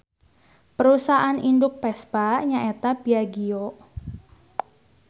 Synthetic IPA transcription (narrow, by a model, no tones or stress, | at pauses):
pəɾusaʔanindʊk̚pɛsb̥aɲaʔet̪ab̥iaɡio